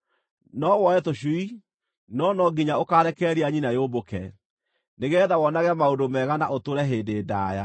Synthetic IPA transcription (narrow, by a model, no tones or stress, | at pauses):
nɔwɔɛtoɕwi | nɔnɔɡiɲaokaɾɛkɛɾiaɲinajoːbokɛ | neɣɛðawɔnaɣɛmaodomɛɣanaʔotoɾɛɦeːdeːda̰ːja̰